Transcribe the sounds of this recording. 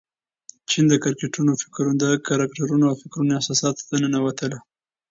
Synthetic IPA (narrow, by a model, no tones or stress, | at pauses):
t͡ʃind̪əkaɾkeʈunofɪ̥kɾund̪əkaɾakʈaɾunoawfɪkɾunoɪsɑsɑt̪t̪anənawat̪əla